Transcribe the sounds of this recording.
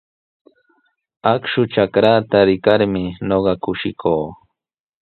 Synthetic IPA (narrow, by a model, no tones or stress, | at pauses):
akʃʊʈ͡ʂakɾat̪aɾɪkaɾmɪɲoɢɑkʊʃɪkʰoː